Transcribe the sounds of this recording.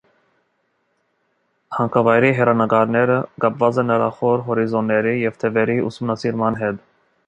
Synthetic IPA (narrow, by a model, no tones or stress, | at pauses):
hɑŋkʰɑvɑjɾiɦɛɾɑnəɡɑɾnɛɾəɡɑpvɑd͡zɛnəɾɑχɔɾɦɔɾizɔnːɛɾijɛvt̪ʰɛvɛɾiṵsumnɑsiɾmɑnɦɛt̪